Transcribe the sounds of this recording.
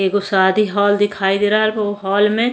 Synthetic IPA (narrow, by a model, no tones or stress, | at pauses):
eːkʊsaːd̪iɦɔːld̪ɪkʰaːid̪eːɾaɦɾpoɦɔːlmẽ